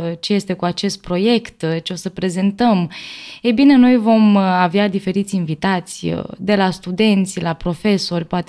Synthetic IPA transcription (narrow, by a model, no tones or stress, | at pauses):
t͡ʃe̞je̞st̪e̞kuat͡ʃe̞st̪̚pɾo̞je̞kt̪t͡ʃeo̞səpɾeze̞nt̪əmejbine̞no̞jvo̞mavead̪ife̞ɾit̪sʲinvit̪at̪sʲd̪e̞last̪ud̪e̞nt̪sʲlapɾo̞fe̞so̞rʲpoat̪